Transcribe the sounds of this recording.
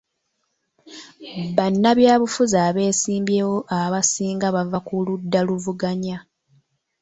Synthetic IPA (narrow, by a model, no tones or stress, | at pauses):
βanːaβjaːβufuzaːβe̞ːsiːmbjeːwo̞ʔaβasiːŋɡaβavakuludːaluvuɡaɲa